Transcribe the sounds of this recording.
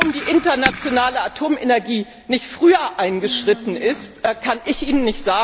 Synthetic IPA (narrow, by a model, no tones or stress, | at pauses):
ʊmdiːʔɪntɐnat͡sjonaːləatʰoːmenɛɐɡiː | nɪçtfʁ̥yːɐʔaɪnɡəʃʁ̥ɪtn̩ɪstːkʰanʔɪçʔiːnənːɪçtz̥aːɡ